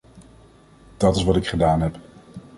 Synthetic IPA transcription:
d̥ɑtɪsʋɑtɪkχədaːnɦɛp

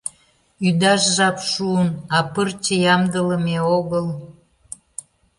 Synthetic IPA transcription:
yd̪ɑʃʒɑpʃuənɑpərt͡ɕəjɑmd̪ələmeoɣəl

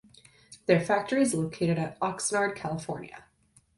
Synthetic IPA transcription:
ðə˞fæk̚tə˞iɨzloʊkʰeɪɾɨɾɨɾɑksnɑɹd̚kʰælˠəfɔɹnjɨ̰

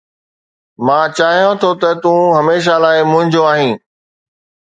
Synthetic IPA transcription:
mãːt͡ɕaːɦijõt̪ʰot̪ɐt̪ũɦɐmeːʃ̬alaːɪmʊ̃ɦɪ̃ɲd͡ʑoaːɦĩː

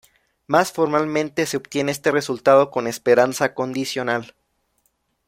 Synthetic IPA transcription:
masfo̞ɾmalmẽnt̪e̞se̞obt̪je̞neest̪e̞re̞sult̪að̞o̞ko̞ne̞spe̞ɾansako̞nd̪isjo̞nal

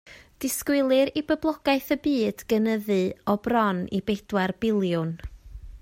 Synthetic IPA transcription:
d̥ɪskwɪlˠɨɾibəblˠɔɡaɨθəbɨːd̥ɡ̥ənəðɨɔbrɔnibed̥warb̥ɪlˠjʊn

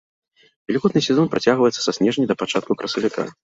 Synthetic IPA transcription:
vʲɛlʲiɣɔt̪nɨsʲɛzɔnpɾʔat͡sʲaɣvɐjɛt̪sːɐ̥sasʲnʲɛʐnʲid̪ɐpat͡ʂat̪̚kukɾʔɐsɐvʲika̰

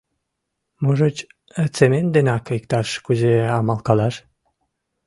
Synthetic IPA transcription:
moʒot͡ɕ | ət͡semend̪enɑkəjkt̪ɑʃkuzeɑmɑlkɑlɑʃ

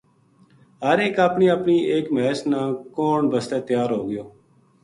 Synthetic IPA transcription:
ɦəɾeːkaːpɳiːaːpɳiːʔeːkmeːsnãːkoːɳbəst̪eːt̪jaːɾɦoːɡɪjoː

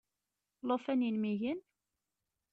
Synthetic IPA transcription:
lofæninmiʝən

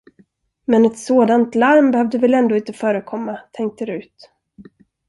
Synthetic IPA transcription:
mɛnɛt̪soːd̪ant̪laɾmbɛhœvd̪əvɛlɛnd̪oːɪnt̪əfœːɾəkʰɔmːat̪ʰɛŋk̚t̪əɾʉ̟ːt̪

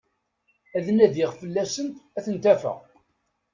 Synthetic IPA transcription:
æðənæðɪʁfəlːæsənt̪æθənt̪æfə̰ʁ

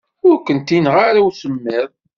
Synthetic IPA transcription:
ʊɾkənt̪inʁaɾawsəmːɪðˤ

